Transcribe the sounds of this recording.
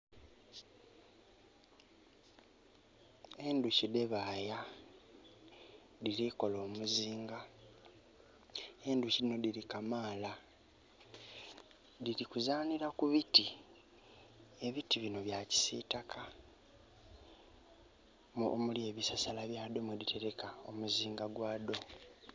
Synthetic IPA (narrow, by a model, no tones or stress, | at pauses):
e̞nducide̞βaːja | ðiɾiko̞lo̞ːmuziːŋɡa | e̞nduciino̞diɾikamaːla | ðiɾikuzaːniɾakuβiti | e̞βitiβino̞βjaci̥sḭtakʰa | o̰mulie̞βisasalaβjaːd̪o̞mwedite̞ɾe̞kao̞muziːŋɡaɡwaːd̪o̞